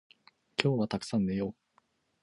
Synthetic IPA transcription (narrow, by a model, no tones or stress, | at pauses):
kʲʰo̞ːβat̪akɯ̟̥sãnːejoː